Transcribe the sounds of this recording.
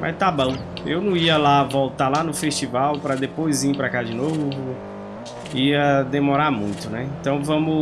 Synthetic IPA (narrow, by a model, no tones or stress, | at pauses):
ma̰st̪abɐ̃w̃ | ewnɐ̃w̃iɐlavowt̪alanʊfest͡ʃivawpɾɐd̪epojzipɾakad͡ʒɪnovʊ | iɐd̪emɔɾamũj̃t̪ʊnɛẽnt̪ɐ̃w̃vɐ̃mʊ